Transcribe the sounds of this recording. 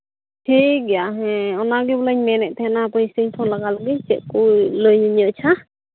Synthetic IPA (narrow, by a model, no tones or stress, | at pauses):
ʈʰik̚jaɦɛ̃ɔnaɡibələɲmɛnɛʔ̚ˀt̪ʰɛhɛnapəjsəɲt̪ʰɔlaɡaləɡic̚t͡ʃɛʔ̚kuləjɲəɲəʔt͡ʃʰa